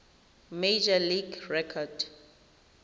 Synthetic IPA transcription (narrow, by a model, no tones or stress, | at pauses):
med͡ʒaliɡɹɛkʰɔd